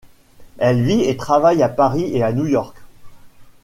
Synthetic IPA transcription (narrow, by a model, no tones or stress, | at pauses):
ɛlviet̪χavajapaʁieanujɔʁk